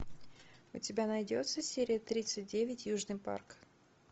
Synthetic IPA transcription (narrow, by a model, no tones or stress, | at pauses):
ʊ̰tʲɪbʲanɐjdʲo̞t̪səsʲeɾʲɪjət̪ɾʲit̪sɨt̚ʲdʲevʲɪtʲjuʐnɨjpa̰rk